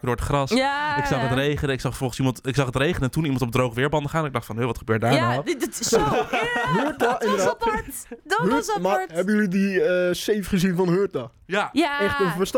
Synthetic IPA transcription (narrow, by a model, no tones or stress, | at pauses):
kdʊːɹətχrɑsɪksɑχətrejχənɪksɑχfnɔlˠχənsimɑntɪksɑχɦətrejχənəɛntunimɑntɔp̚drowχəʋɪːɹbɑndəχaːnɛnɪɡ̚dɑχtfɑnɦøʋɑtχəbøːt̚daːɹnaw | ɦøɹtaɪndəa | dɔɦsmaɦɛbəjølidiəsejfχəzinvɑnɦøːɹta | jaaɛχtəvəst